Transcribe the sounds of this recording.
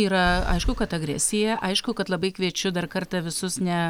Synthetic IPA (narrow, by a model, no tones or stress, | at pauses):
iːɾɐɐ̰ɪʃkʊkɐt̪ɐɡɾʲɛ̰sʲɪjɛʔɐɪʃkʊkɐt̪lˠɐbɐɪkʋʲiɛt͡ʃʲʊd̪ɐrkɐrt̪ɐʋʲɪsʊsnʲɛ